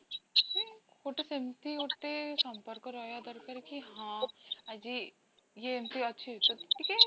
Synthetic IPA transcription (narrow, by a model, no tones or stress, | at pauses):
ekʰoʈesemt̪ioʈ̪esɐmpəɾkəɾɔːjad̪əɾkəɾkiɦãɐd͡ʒi | jeemt̪iɐtːʃʰiɦt̪oike